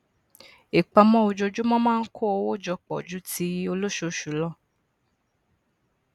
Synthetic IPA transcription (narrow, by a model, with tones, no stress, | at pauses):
i˨k͡pa˧mɔ̃˦o˧d͡ʒo˧d͡ʒu˦mɔ̃˦mãː˦˧n̩˦kʰo˦o˧wo˦˨d͡ʒɔ˧k͡pɔ̰˨d͡ʒu˨˦ti˦o˧lo˦ʃo˧˨ʃu˨˦lɔ˦˨